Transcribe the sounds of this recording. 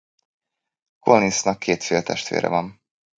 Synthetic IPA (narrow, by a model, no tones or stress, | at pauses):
kolninsnɒkʰːeːt̪feːlt̪ʰɛʃt̪ʋḛːɾɛ̰vɒn